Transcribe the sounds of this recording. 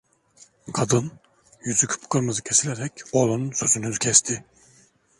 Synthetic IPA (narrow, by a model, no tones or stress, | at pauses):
kʰad̪ɯn | jyzykʰɯ̥pʰkɯɾmɯzɯcʰesilʲɛɾɛcolˠonnsøzynyzcʲʰɛst̪ʰɪ